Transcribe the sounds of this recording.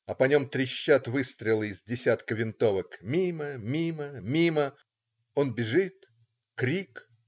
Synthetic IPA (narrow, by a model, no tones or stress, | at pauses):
ɐpɐnʲo̞mt̪ɾʲɪɕːat̪vɨst̪ɾʲɪlˠəɪzʲdʲɪsʲat̪kəvʲɪnt̪o̞vəkmʲiməmʲiməmʲimə | o̞nbʲɪʐɨt̪ | kɾʲik